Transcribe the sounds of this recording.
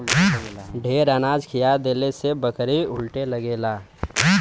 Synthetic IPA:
ɖʱeɾənad͡ʒkʰijad̪eːlesebəkɾiʊlʈeləɡeːla

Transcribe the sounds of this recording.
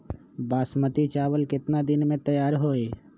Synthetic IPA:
baːsmət̪it͡ʃaːʋəlkɪt̪nad̪ɪnmẽt̪əjaːɾɦoːeː

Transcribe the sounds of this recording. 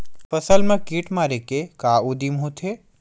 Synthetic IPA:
pəsəlmãkiːʈmaːɾekekaːud̪imɦũt̪ʰe

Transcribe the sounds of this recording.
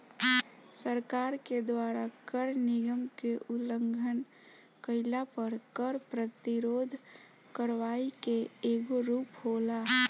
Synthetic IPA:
səɾkaːɾked̪waɾakəɾnɪɡəmkeʔuləŋɡʱən | kəɪlapəɾkəɾpɾət̪iɾod̪ʱ | kəɾʋaikeeɡoɾuːphola

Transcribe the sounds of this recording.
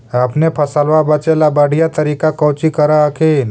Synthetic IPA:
əpnepʰəsəlʋabət͡ʃelabəɽ̤ʱɪjat̪əɾiːkakɔːt͡ʃikəɾaəkʰeːn

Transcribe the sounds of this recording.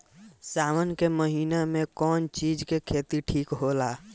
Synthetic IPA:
saːmənkeməɦiːnamẽkɔːnt͡ʃiːd͡ʒkekʰeːt̪iʈʰiːkɦoːlaː

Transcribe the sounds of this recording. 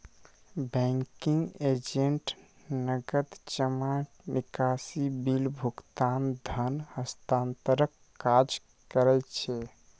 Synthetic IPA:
bɛ̃ŋkiŋɡed͡ʒeɳʈ | nəɡəd̪t͡ʃəma | nikasibilbʱukt̪and̪ʱənhəst̪ant̪əɾəkːad͡ʒ | kəɾɛt͡ʃʰɛ

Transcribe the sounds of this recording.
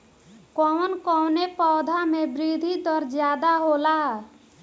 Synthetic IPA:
kɔwnkɔwnepɔd̪ʱamebɾid̪ʱit̪ɔɾd͡ʒjaːd̪aɦola

